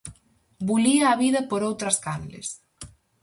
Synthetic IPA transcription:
buliɐːβiðɐpoɾowt̪ɾɐskanlɪ̰s

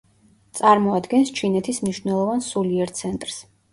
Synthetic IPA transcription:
t̪sʼaɾmɔad̪ɡɛnst͡ʃʰinɛt̪ʰismniʃvnɛlˠɔvansuliɛɾt̪sʰɛnt̪ʼɾs

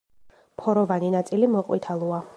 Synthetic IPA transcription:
pʰɔɾɔvaninat̪sʼilimɔqʼwit̪ʰalˠua

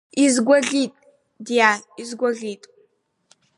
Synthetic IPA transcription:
izɡʷɔɮiːtʼ | dijaːizɡʷɔɮiːtʼ

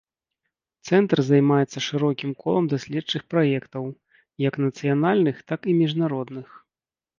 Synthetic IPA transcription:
t̪sɛnt̪rzajmajɛt̪sːɐʂɨɾɔkʲimkɔ̰lˠɐmd̪asʲlʲɛt͡ʂɨxpɾajɛkt̪ɐw | jɐknɐt̪sɨjanalʲnɨxt̪akimʲiʐnaɾɔd̪nɨx

